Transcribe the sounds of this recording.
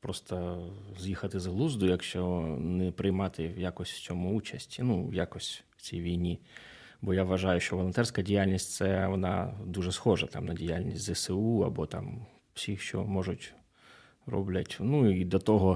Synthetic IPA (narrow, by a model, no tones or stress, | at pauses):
pɾɔst̪ɐzjixɐt̪ɪzɦlˠuzd̪ʊjɐkʃt͡ʃɔnɛpɾɪjmɑt̪ɪwjakɔsʲtʲw̥t͡sʲɔmʊut͡ʃɐsʲtʲinuwjakɔsʲtʲw̥t͡sʲijʋʲijnʲi | bɔjaʋʋɐʒɑjʊʃt͡ʃɔʋɔlˠɔnt̪ɛrsʲkɐdʲijalʲnʲisʲtʲsɛʋɔnɑ̰d̪uʒɛsxɔʒɐt̪ɑ̰mnɐdʲijalʲnʲisʲtʲzɛseuɐ̰bɔt̪ɑ̰m | w̥sʲixʃt͡ʃɔ̰mɔʒʊtʲ | rɔ̰blʲɐtʲnuid̪ɐt̪ɔɦɔ